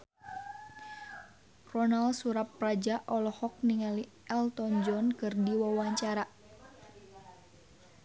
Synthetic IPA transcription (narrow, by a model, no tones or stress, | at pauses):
rɔnalsuɾap̚ːrad͡ʒaʔɔlɔhɔk̚niŋali | ɛlt̪ɔnd͡ʒɔnkɨrdiwawaɲt͡ʃaɾa